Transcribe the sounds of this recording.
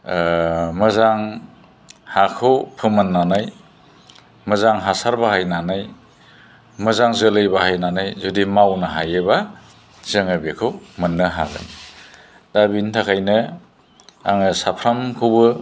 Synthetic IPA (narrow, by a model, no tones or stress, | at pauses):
mɯzaŋ | hakʰɯwpʰɯmɯnːanaj | mɯzaŋɦasaɾbaɦajnanaj | mɯzaŋzɯlɯjbahajnanajzudimawnaɦajɯba | zɯŋɯbikʰɯwmɯnːɯɦa̰ɡɯ̰n | d̥abintʰakʰajnɯ | a̰ŋɯsapʰɾamkʰɯwbɯ